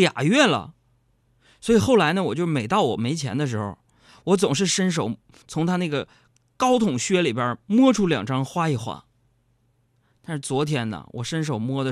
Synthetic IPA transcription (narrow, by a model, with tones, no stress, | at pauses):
ja̰˨˩ɥɛ˥˩nlə̰˨˩ | swɔ˧˥i˨˩xo˥˩ʊla˧˥ɪnə˧wɔ˨˩t͡ɕjo˥˧ʊʂme˨˩ɪt̪ɑ˥˩ʊwɔ̰˨˩me˧˥ɪt͡ɕʰjɛ̰˧˥nd̪ə˧ʂ̬ɻ̩˧˥xo̰˧˩ʊ | wɔ˧˥t͡sʊ˨˩ŋʂ̬ɻ̩˥˩ʂə˥nʂ̬o˨˩ʊ | t͡sʰʊ˧˥ŋt̪ʰa˥na˥˩ɡə˩ | kɑ˥ʊt̪ʰʊ˨˩ŋɕɥɛ˥li˨˩bjə˞˧˥mwɔ˥ʈ͡ʂʰu˥ljɑ̰˨˩ŋʈ͡ʂʰɑ˥ŋxwa˥i˨˩xwa̰˥˩ | t̪a˥˧nʂɻ̩˥˩t͡swɔ˧˥t̪ʰjɛ˥nnə̰˩wɔ̰˨˩ʂə˥nʂ̬o˨˩ʊmwɔ˥d̪ə˨˩